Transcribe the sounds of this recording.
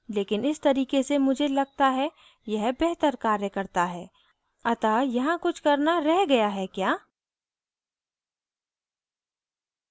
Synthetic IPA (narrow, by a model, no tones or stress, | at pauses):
leːkɪnɪst̪ɐɾiːkesemʊd͡ʒʱelɐɡ̚t̪aɦɛ | jɐɦbɛɦt̪əɾkaːɾjəkɐɾt̪aɦɛː | ɐt̪ajɐɦãkʊt͡ʃʰkɐɾnaɾɛɦɡɐjaɦɛkjaː